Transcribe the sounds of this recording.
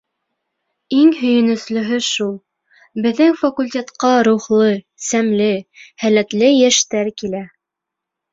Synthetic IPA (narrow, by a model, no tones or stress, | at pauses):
iŋɦɵ̆jɘ̆nɵ̆slɵ̆ɦɵʃulˠ | bɘ̆ðːɘŋfɐkulʲtʲet̪qɑɾuχlˠɤ | sæmlɘhælæt̪lɘjæʃt̪æɾkilæ